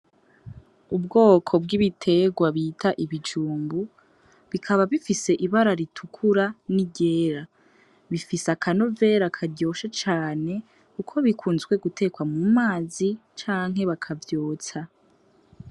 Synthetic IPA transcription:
ubɡo̞ːkʰo̞b̚ɡiβitʰe̞ɡwaβitʰaʔiβid͡ʒuːmbu | βikʰaβaβifise̞ʔiβaɾaɾitʰukʰuɾaniɟe̞ːɾa | βifisakʰano̞ve̞ːɾakʰaɟo̞ːʃat͡ʃaːne̞ | kukʰo̞βikʰuːnzɡwe̞ɡutʰe̞ːkwamumaːzit͡ʃaːŋɦe̞βakʰavjoːt͡sa

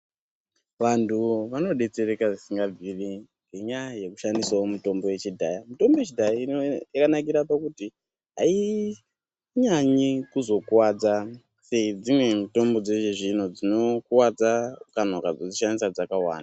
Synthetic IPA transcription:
ʋantʰuʋano̞ɗe̞t͡se̞ɾekaʐisiŋɡab͡viriŋŋɡe̞ɲaje̞ku̥ʃandiswaomuto̞mbo̞je̞t͡ʃidʱajamito̞mbojet͡ʃidʱaiakanak̬iɾapakuti | ɦa̰i | ɲaɲikuzo̞kwad͡za | seid͡zimwe̞mito̞mbo̞d͡ze̞ʒeʐinod͡zino̞kwad͡zaukan̤okad͡zod͡ziʃandisad͡zakawa̰ːna

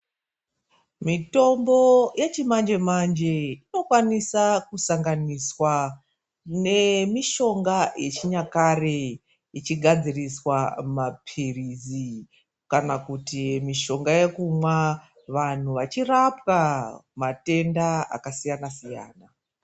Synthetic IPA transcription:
mito̞mbo̞jet͡ʃimand͡ʒe̞mand͡ʒe̞ino̞kwanisakusaŋɡaniswa | ne̞miʃo̞ŋɡajʔet͡ʃiɲakare | it͡ʃiɡʱad͡ziriswamapʰirizi | kanakutimiʃo̞ŋɡaje̞kumwa | ʋan̤uʋat͡ʃirapwamate̞ndaa̰kasijanasija̰ːna

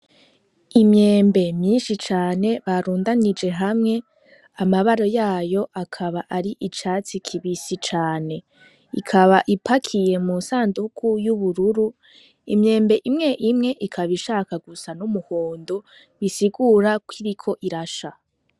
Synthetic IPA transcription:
imɲe̞ːmbe̞mɲiːnʃit͡ʃaːne̞βaɾuːndanid͡ʒe̞ɦamŋe̞ | amaβaɾo̞jaːjo̞ʔakʰaβaʔaɾiʔit͡ʃaːt͡sikʰiβisit͡ʃaːne̞ | ikʰaβaʔipʰakʰije̞munsaːndukʰujuβuɾuɾu | imɲe̞ːmbe̞ʔimŋe̞ʔimŋe̞ʔikʰaβiʃaːkaɡusanumuhoːndu | βisiɡuɾakwiɾikʰo̞ʔiɾaʃa

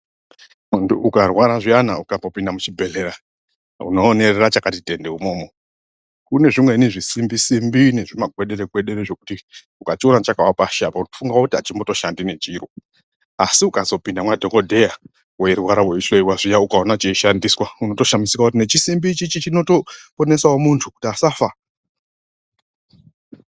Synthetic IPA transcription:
muntʰuʔukarwaɾaʐijanaukambo̞pindamut͡ʃibʱe̞le̞ɾa | ṵnoːne̞rerat͡ʃakatitʼendeumo̞ːmo | kune̞ʐimwe̞neʐisimbisimbine̞ʐimaɡʱweɗe̞ɾeɡʱwe̞ɗe̞ɾeʐe̞kuti | ukationat͡ʃakawapaʃapauno̥fuŋɡawokutiɦat͡ʃimbo̞to̞ʃandine̞t͡ʃiːɾo | asiukazo̞pindamwadʱo̞ŋɡodʱe̞ja | weeɾwaɾaweisoiwaʐijaukaonat͡ʃeiʃandiːswauno̞to̞ʃamisikakutine̞t͡ʃisimbit͡ʃit͡ʃit͡ʃino̞to̞po̞ne̞saomuntʰuku̥tiasafa

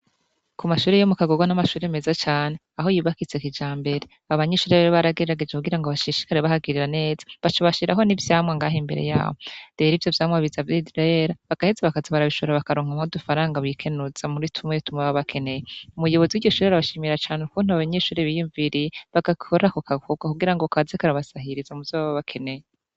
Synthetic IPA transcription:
kumaʃuːɾejomukaɡo̞ɡwanamaʃuːɾeme̞zat͡ʃaːne̞aɦo̞jiβakit͡sekid͡ʒaːmbe̞ɾe̞ | aβaɲeʃuːɾeβaɾiβaɾaɡe̞ɾeɾaɡe̞d͡ʒekuɡiɾaŋɡoβaʃiʃi̥kaɾeβahaɡiɾiɾane̞ːz̥ḁβat͡ʃoβaʃiɾaɦo̞nivjaːmŋeŋɡaːɦembe̞̰ɾḛja̰ːβodeɾivjo̞vjaːmaβizavjidɾaeɾaβaɡ̥ahezaβakazaβaɾaβiʃuɾaβakaɾoːŋ̥hamodufaɾaːŋɡaβikʰe̞nuz̥amuɾitʰumŋetumŋeβaβakʰe̞ne̞jeumujo̞βo̞ziwiːɟɟo̞ʃuːɾeaɾaβaʃiːmiɾat͡ʃaːneukuːnhuaβaɲeʃuːɾeβijuɱviɾiβaɡ̥aoɾakokaɡoɡakuɡiɾaŋɡokazekaɾaβasahiɾizamuvzaβaβaβakʰe̞ne̞je

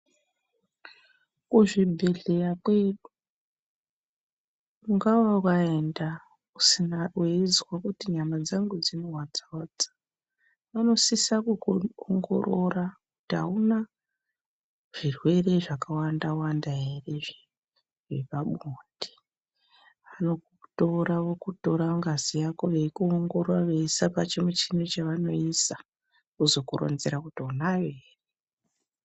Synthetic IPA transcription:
kuʐibʱe̞ɮe̞jakwe̞ɗu | muŋɡawaukae̞nda | usinarweid͡zwakutiɲamad͡zaŋɡud͡zinowad͡zoːd͡zḁ | ʋano̞sisakuoŋɡo̰ɾorakuta̰una | ʐ̥irwe̞re̞ʐakawandawandaɦere̞ʐe | ʐe̞paɓoːndʱi̥ | ʋano̞kuto̞ɾaʋo̞kuto̞ɾaŋɡazijako̞ʋe̞kuoŋɡo̞rwaʋeisapat͡ʃemut͡ʃinot͡ʃaʋano̞isa | kuzo̞kurʔo̰nzeɾakutiunaʋeːre

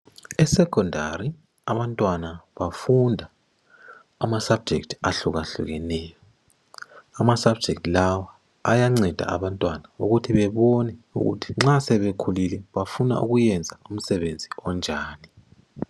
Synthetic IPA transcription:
ɛsɛkʰʼɔndʱa̰ri | aβantʼwanaβafundʱaː | masab̥̚d͡ʒʱɛktʰaɬuɣaɬṵɣɛnɛːjɔ | amasab̚d͡ʒʱɛk̚tlawaː | jaŋ͡ǀɛd̥ʱa̰aβantʼwanaṵɣutʰiβɛβɔnɛṵɣṵtʰi̥ŋ͡ǁasɛβekʰulilɛβafuna̰ʔṵɣujɛnd͡zʱaum̩sɛβend͡zʱiɔnd͡ʒʱaːni

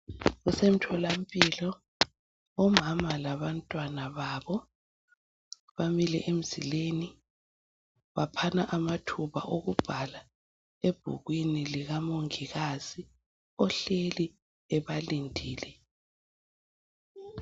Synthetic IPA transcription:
ɣusem̩tʰɔlampʼilɔ | ɔmamalaβantʼwanaβaːβɔ | βamilɛ̰ʔem̩z̥ḭleːni | βapʰanaʔamatʰuβa̰ʔoɣub̥ʱala | eb̥ʱṵɣwiniliɣamoŋiɣazi | ɔɬeli | ɛβalindʱiːlɛ

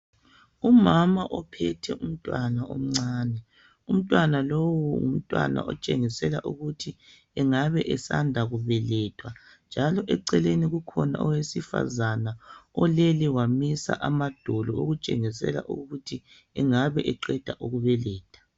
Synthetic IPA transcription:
umamaʔɔpʰɛtʰɛ̰ʔum̩tʼwanaʔo̰m̩ŋ͡ǀaːnɛ | um̩tʼwanalowɔṵm̩tʼwa̰na̰ʔɔt͡ʃʼeŋisɛla̰ʔuɣutʰi | ɛŋaβɛʔɛsandʱaɣuβɛlɛtʰʼwand͡ʒʱalɔʔɛǀɛleniɣukʰɔna̰ʔɔwesifa̰zanaɔlɛliwamisa̰ʔamad̥ʱɔlɔoɣut͡ʃʼeŋisɛ̰la̰ʔuɣutʰi | ɛŋaβɛʔɛǃɛd̥ʱaʔuɣuβɛlɛːtʰʼḁ

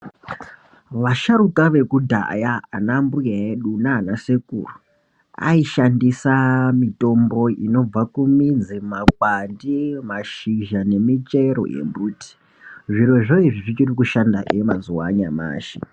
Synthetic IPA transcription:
ʋaʃaɾukaʋe̞kudʱa̰jaːnambujaeɗunaːnasekṵːru | a̰iʃandisamito̞mbo̞ḭno̞b͡vakumind͡zimakwandimaʃiʒane̞mit͡ʃeɾo̞̰ʔḛmbuːti̥ | ʐiɾo̞ʐoiʐiʐit͡ʃirikuʃandaʔemazuwaɲama̰ːʃḭ

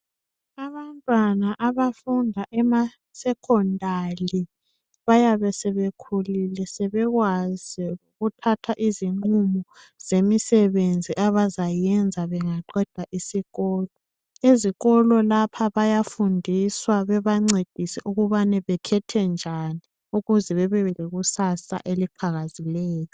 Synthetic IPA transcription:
aβantʼwanaʔaβafundʱaʔɛma | sɛkʰɔndʱali | βajaβɛsɛβekʰulilɛsɛβɛɣwaz̥iuɣutʰatʰaʔiziŋ͡ǃumɔ | z̥emisɛβend͡zʱiʔaβazajɛnd͡zʱaβɛŋaǃɛd̥ʱaʔisiɣɔːlɔ | eziɣɔlɔlapʰaβajafundʱiswaβɛβaŋ͡ǀed̥ʱisiʔuɣuβanɛβɛkʰɛtʰɛnd͡ʒʱani | uɣuzɛβɛβɛβɛleɣusasa̰ʔelipʰaɣazilɛːjɔ

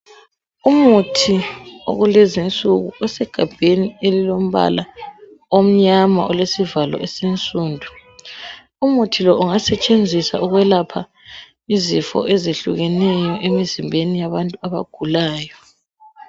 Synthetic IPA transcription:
umutʰio̰ɣulezint͡sʼuɣuɔsɛɡ̥ʱab̥ʱenielilom̩βa̰laom̩ɲama̰ɔlesivalɔ̰ɛsent͡sʼuːndʱu | umutʰilɔʔuŋasɛt͡ʃʼend͡zʱisa̰uɣwɛlapʰa | izifɔ̰ʔɛzeɬuɣɛnɛjɔʔemizimbʱenijaβantʼuaβa̰ɡ̥ʱulaːjɔ

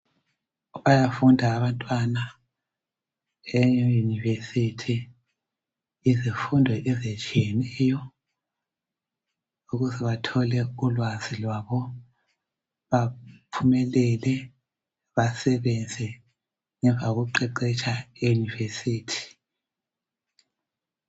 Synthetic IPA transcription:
βajafundʱaːβantʼwana | ɛjunivesitʰi | zifundʱɔʔɛzet͡ʃʼijɛnɛjɔ | uɣuzɛβatʰɔlɛulwazilwaβɔ | βapʰumɛlɛlɛ | βasɛβɛnd͡zʱɛ | ŋɛɱvʱauɣuǃɛǃɛt͡ʃʼaejunivesiːtʰi̥

